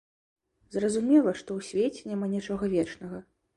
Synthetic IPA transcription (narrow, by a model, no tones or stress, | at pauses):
zrɐzumʲɛlˠɐʂt̪ɔwsʲvʲet͡sʲɛnʲamanʲit͡ʂɔɣɐvʲɛt͡ʂnɐɣɐ